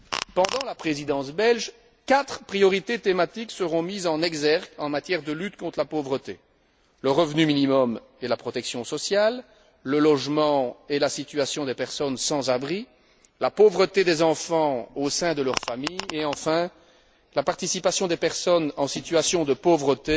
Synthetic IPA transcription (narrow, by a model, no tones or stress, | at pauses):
pɑ̃d̪ɑ̃lapχezid̪ɑ̃sbɛlʒ | kat̪χpχijɔʁit̪et̪emat̪iksəʁɔ̃mizɑ̃nɛɡzɛʁkɑ̃mat̪jɛʁd̪əlyt̪kɔ̃t̪χəlapovʁət̪e | ləʁəvnyminimɔm | elapχɔt̪ɛksjɔ̃sɔsjalː | əlɔʒmɑ̃elasit̪yasjɔ̃d̪epɛʁsɔnsɑ̃zabʁi | lapovʁət̪ed̪ezɑ̃fɑ̃osɛ̃d̪əlœʁfamijeɑ̃fɛ̃ | lapaʁt̪isipasjɔ̃d̪epɛʁsɔnɑ̃sit̪ɥasjɔ̃d̪əpovʁət̪e